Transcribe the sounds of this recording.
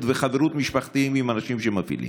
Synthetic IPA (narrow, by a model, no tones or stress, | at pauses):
t̪veχaveɾut̪miʃpaχt̪iimimanaʃimʃemavḭlḭm